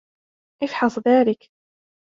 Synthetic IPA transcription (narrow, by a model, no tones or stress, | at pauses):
ʔɪfħɑsˤðaːlɪk